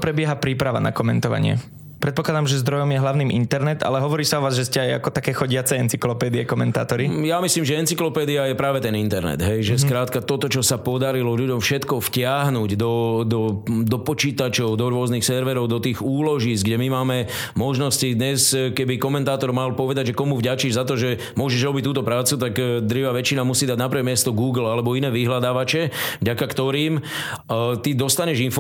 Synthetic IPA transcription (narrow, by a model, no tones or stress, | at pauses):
pɾɛbɪɛɦapɾiːpɾaʋa̰na̰kɔmɛnt̪ɔʋa̰ɲɪɛ̰ | pɾɛt̪pɔklad̪amʒɛzd̪ɾɔjɔmjɛɦlaʊniːmʔint̪ɛɾnɛt̪a̰lɛɦɔʋɔɾiːsaɔʋaːzʒɛscɛaja̰kɔt̪akɛːxɔɟɪat͡sɛɛnt͡siklɔpɛːd̪iɛkɔmɛnt̪a̰ːt̪ɔɾijamisliːmʒɛɛnt͡siklɔpɛːd̪iajɛpɾaːʋɛt̪ɛnint̪ɛɾnɛ̰d̪ɦɛjʒɛskɾaːt̪kat̪ɔt̪ɔt͡ʃɔsapɔd̪aɾilɔʎuɟɔmfʃɛt̪kɔfcɪaɦnuːɟd̪ɔd̪ɔd̪ɔpɔt͡ʃiːt̪at͡ʃɔʊd̪ɔɾʊɔznixsɛɾʋɛɾɔʊd̪ɔt̪iːɣuːlɔʒiːzɡɟɛmimaːmɛ | mɔʒnɔscid̪ɲɛskɛbikɔmɛnt̪aːt̪ɔɾmalpɔʋɛd̪aɟʒɛkɔmuvɟat͡ʃiʒzat̪ɔʒɛ | mʊɔʒɛʒɾɔbict̪uːt̪ɔpɾaːt͡sut̪aɡd̪ɾiʋaːʋɛt͡ʃinamusiːd̪aɟnapɾʋɛmɪɛst̪ɔɡuːɡl̩alɛbɔinɛːʋiɦlad̪aːʋat͡ʃɛvɟakakt̪ɔɾiːm | t̪id̪ɔst̪aɲɛʒinf